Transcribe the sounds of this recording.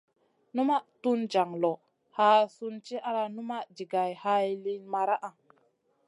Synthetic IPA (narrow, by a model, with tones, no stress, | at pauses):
nu˦ma˦ʔtu˦nd͡ʒa˨ŋlo˨ | ha˨˦su˦nt͡ʃi˦ʔa˦la˧nu˦ma˦ʔd͡ʒi˨ɡa˨jha˧˦jli˦nma˧ɾa˦ʔa˨